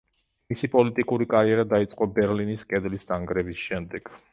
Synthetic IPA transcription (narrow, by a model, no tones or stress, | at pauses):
misipʼɔlit̪ʼikʼuɾikʼaɾiɛɾad̪ait̪sʼqʼɔbɛɾliniskʼɛd̪list̪aŋɡɾɛbisʃɛmd̪ɛɡ̥